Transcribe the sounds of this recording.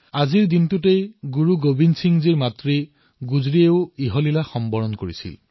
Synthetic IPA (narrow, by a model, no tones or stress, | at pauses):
aziɹdintutejɡuɹuɡobinsʰiŋziɹmatɹi | ɡuzɹieʊiɦɔlilaxɔmbɔɹɔnkoɹisḭl